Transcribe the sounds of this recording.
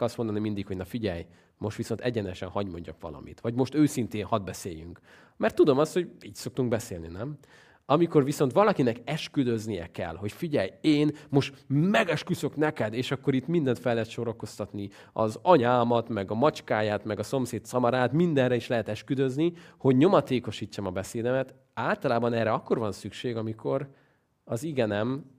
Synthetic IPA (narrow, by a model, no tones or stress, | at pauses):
ɒst̪mod̪ɒnimind̪ikho̞ɟnɒfiɟɛ̰j | mo̞ʃt̪ʋiso̞nt̪ɛɟɛnɛʃɛ̰nhɒɟmoɲɟɒkʋɒ̰lɒ̰mḭt̪ʋɒɟmo̞ʃt̪øːsint̪eːnhɒd̪̚bɛsḛːjy̰ŋk | mɛrt̪ːud̪o̞mɒst̪ho̞ɟiːcso̞k̚t̪uŋɡbɛseːlnḭnɛm | ɒmiko̞rʋiso̞nt̪ʋɒlɒkinɛkɛʃkyd̪ø̞znijɛ̰kɛ̰lho̞cfiɟɛjeːnmo̞ʃt̪mɛɡɛʃkysø̞knɛkɛd̪eːʃɒkːo̞ɾit̪mind̪ɛnt̪fɛlːɛt̪ʃoɾoko̞st̪ɒt̪ni | ɒ̰zɒɲaːlmɒt̪mɛɡɒmɒt͡ʃkaːjaːt̪mɛɡɒso̞mseːt̪sɒmɒɾaːt̪mind̪ɛnrɛiʃlɛɦɛt̪ɛʃkyd̪øzniho̞ɟɲo̞mɒt̪eːko̞ʃit͡ʃːɒmɒbɛseːd̪ɛmɛt̪ | aːlt̪ɒlaːbɒnɛːrːɛɒkːo̞rvɒnsykʃeːɡɒmikʰo̞ɾ | ɒziɡɛnɛm